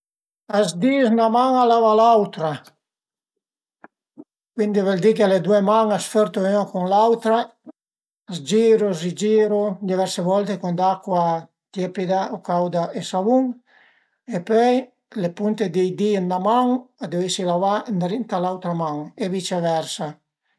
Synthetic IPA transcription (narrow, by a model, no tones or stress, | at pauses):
azd̪isnamaŋalavalawt̪ɾa | kwind̪ivɛld̪ikeled̪uemaŋasføɾt̪oynakuŋlawt̪ɾaː | zd͡ʒiɾosid͡ʒiːɾod̪ivɛɾsevɔlt̪ekund̪akːwa | t̪jɛpid̪aokawd̪aʔesavuŋ | epœj | lepunt̪ed̪ejd̪inːamaŋad̪evesilavand̪ɾint̪alawt̪ɾamaŋevit͡ʃevɛɾsa